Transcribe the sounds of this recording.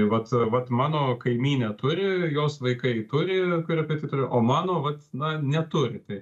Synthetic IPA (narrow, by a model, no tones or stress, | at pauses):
ʋɐt̪ʋɐt̪mɑːnoːkɐɪmʲiːnʲɛt̪ʊɾʲɪjoːsʋɐɪkɐɪt̪ʊɾʲɪkʊɾʲɪɛɐpʲɪt̪ɐɪt̪ʊɾʲɪʔoːmɑːnoːʋɐt̪nɐnʲɛt̪ʊɾʲɪt̪ɐɪ